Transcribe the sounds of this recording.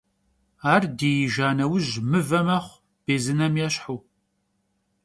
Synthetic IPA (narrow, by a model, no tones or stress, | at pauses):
aːrdeːjiʒaːnɐwʊʑmɨvɐmɐχʷ | b̥eːzɨnɐmjɛɕħuː